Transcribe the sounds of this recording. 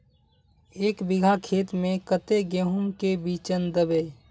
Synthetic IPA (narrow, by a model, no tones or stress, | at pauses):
eːkbɪɡʱakʰeːt̪mẽkət̪eɡeɦunkebiːt͡ʃənd̪əbe